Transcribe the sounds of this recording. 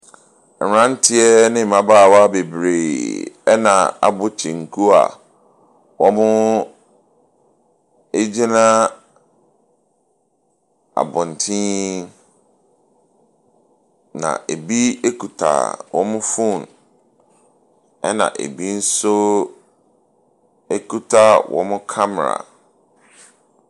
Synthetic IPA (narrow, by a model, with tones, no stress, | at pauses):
ã˦n̩˦tʰɪ˦ɛ˦nɪ̃˦m̩˨mã˨˦baː˦˨wɔ˦a˦be˨bɾe˨ɛ˦nã̰˨a̰˨bʊ˦t͡ɕʰɪ˨ŋ̩˨kʰu˦a̰˨ | wɔ˦mʊ̃˦ | e˦d͡ʑi˦nã˦ | a̰˨bɔ̃˨n̩˨tʰĩ˦ | nã̰˨ʔe˨bi˦e˦kʰu˨tʰa̰˨wʔɔ˦mʊ̃˦fũ˦˨n | ɛ˦nã̰˨ʔḛ˨bi˦n̩˦sʊ˦ | e˦ku˦tʰa˦wʔɔ̰˦mʊ̃˦kʰa˦m˨ɾa̰˨